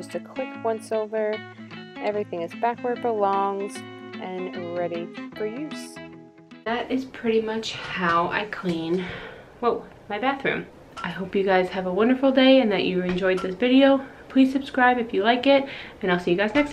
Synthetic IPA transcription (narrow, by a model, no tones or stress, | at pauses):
ztʰɨkʰl̥ɪkwʌ̃nsoʊvə˞ | ʔɛvɹiθɪ̃ŋɨzbækwə˞d̚bəlɔ̃ŋzʔɨ̃nɹɛɾifə˞jʉz̥ | ðɨɾɪz̥pʰɹ̥ɪɾimʌt͡ʃhaʊʔa̰ɪkʰl̥ĩn | wɛlˠ | maɪbæθɹʉ̰̃m | ʔaɪɦoʊpjɨɡaɪz̥ɨvəwʌ̃ndə˞fl̩ˠdeɪɨ̃nðɨt͡ʃɨɨ̃nd͡ʒɔɪd̪̚ðɪsvɪɾioʊ | pʰl̥iz̥sɨb̥skɹaɪbɨfjɨlaɪkɪt̚ɨ̃ñaɪlˠsijɨɡaɪznɛks